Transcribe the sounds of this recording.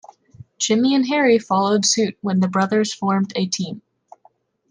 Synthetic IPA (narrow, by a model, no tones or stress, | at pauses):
t͡ʃʰɪ̃miɨ̃nɦɛɹifɑlˠoʊd̥sʉt̚wə̃nðɨbɹʌðə˞z̥fɔɹmdɨtʰĩm